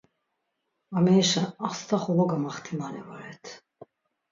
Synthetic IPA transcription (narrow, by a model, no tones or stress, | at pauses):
amɛʃanaχst̪ʰaχɔlɔɡamaχt̪ʰimanɛvɔɾɛt̪ʰ